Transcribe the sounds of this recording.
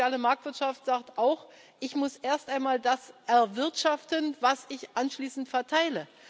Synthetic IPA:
jaːləmaɐk̚tv̥ɪɐtʃaftz̥aːk̚tʔaʊx | ʔɪçmʊsʔeːɐstʔaɪnmaːldasʔɛɐvɪɐtʃaftənvasɪçʔanʃliːsn̩tfɛɐtʰaɪlə

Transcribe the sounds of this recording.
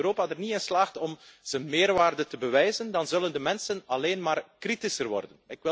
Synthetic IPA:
øɾoːpadərniɪnslaːχtɔmz̥ənmeːrʋaːrdəntəbəʋɛjzəndɑnzɵləndəmɛnsənɑleːnmaːrkritisərʋɔ̰rdənɪkɪ

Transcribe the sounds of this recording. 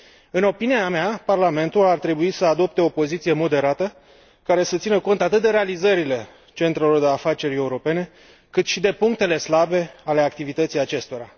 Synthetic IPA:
ɨno̞piniameaparlame̞nt̪ulart̪ɾe̞buisəad̪o̞p̚t̪e̞o̞po̞zit̪sije̞mo̞d̪e̞ɾat̪ə | kaɾe̞sət̪sinəko̞nt̪at̪ɨt̪̚d̪e̞ɾe̞alizəɾile̞ | t͡ʃe̞nt̪ɾelo̞rd̪e̞afat͡ʃe̞ɾe̞uɾo̞pe̞ne̞ | kɨt̪ʃid̪e̞puŋk̚t̪e̞le̞slabe̞ale̞ak̚t̪ivit̪ət̪sijat͡ʃe̞st̪o̞ɾa

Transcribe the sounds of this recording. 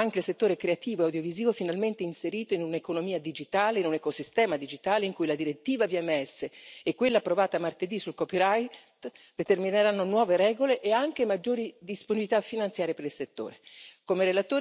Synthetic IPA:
aŋk̟eilset̪ːoːɾekɾeat̪iːvoeawd̪joviziːvofinalment̪einseɾiːt̪oinunekonomiːad̪id͡ʒit̪aːleinunekosist̪ɛːmad̪id͡ʒit̪aːleiŋkujlad̪iɾet̪ːiːvaviɛmːɛsːeːkːwelːapːɾovaːt̪amart̪ed̪isulkɔpiɾajt̪d̪et̪ermineɾanːonwɔːveɾɛːɡoleʔeaŋk̟emad͡ʒːoːɾid̪isponibilit̪afːinant̪sjaːɾjepeɾilset̪ːo̰ːɾekomeɾelat̪oː

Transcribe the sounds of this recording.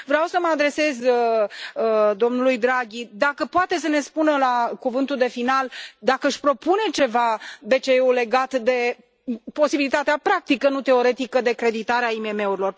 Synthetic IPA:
vɾeawsəməad̪ɾe̞se̞zəəd̪o̞mnulujd̪ɾaɡʲid̪akəpoat̪e̞s̬əne̞spunəlakuvɨnt̪uld̪e̞finald̪akəɨʃʲpɾo̞pune̞t͡ʃe̞vabe̞t͡ʃe̞eule̞ɡat̪d̪e̞ | po̞sibilit̪at̪eapɾak̚t̪ikənut̪e̞o̞ɾe̞t̪ikəd̪e̞kɾe̞d̪it̪aɾeaime̞me̞uɾilo̞r

